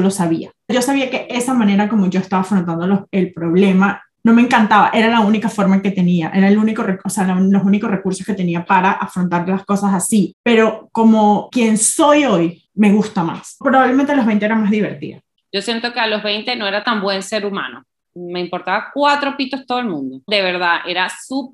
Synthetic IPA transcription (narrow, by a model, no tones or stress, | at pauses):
olo̞saβia | d͡ʒo̞saβiake̞ʔe̞samãne̞ɾako̞mo̞ʝo̞e̞st̪aβafɾont̪̬and̪oloe̞lpɾo̞β̞le̞ma | no̞meŋkant̪aβa̰ʔe̞ɾalaunikafo̞ɾmaeŋket̪e̞niaʔe̞ɾaeluniko̞reosealalo̞suniko̞sre̞kuɾso̞ske̞t̪e̞niapaɾaʔafɾont̪aɾlasko̞sasasipe̞ɾo̞ko̞mo̞kje̞nso̞jo̞j | me̞ɣust̪ama̰spɾo̞βaβlement̪elo̞ɦβe̞jnt̪eeɾamazðiβe̞ɾt̪ḭða̰ | d͡ʒo̞sje̞nt̪okealo̞zβejnt̪e̞no̞e̞ɾat̪ambwe̞nse̞ɾumã̰no̰ | me̞impo̞ɾt̪aβakwat̪ɾo̞pit̪ost̪oðelmũnd̪od̪eβe̞ɾðaʔe̞ɾasup̚